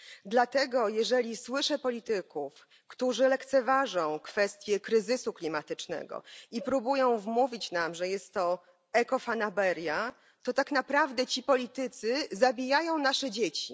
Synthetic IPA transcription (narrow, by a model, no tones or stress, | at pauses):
d̪lat̪ɛɡɔjɛʐɛlʲiswɘʂɛpɔlʲit̪ɘkuf | kt̪uʐɘlɛkt̪sɛvaʐɔ̃w̃kfɛst̪ʲjɛkɾɘzɘsuklʲimat̪ɘt͡ʂnɛ̰ɡɔ̰ipɾubujɔ̃w̃vmuvʲit͡ɕnamʐɛjɛst̪ːɔ | ɛkɔfanabɛɾʲja | t̪ɔt̪aknapɾavd̪ɛt͡ɕipɔlʲit̪ɘt̪sɘzabʲijajɔ̃w̃naʂɛd͡ʑet͡ɕi